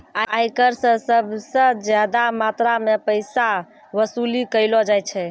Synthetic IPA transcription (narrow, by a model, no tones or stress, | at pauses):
aajkəɾsə̃səbʱsə̃d͡ʒjad̪amat̪ɾamepəjsa | ʋəsulikəjlɔd͡ʒajt͡ʃʰɛ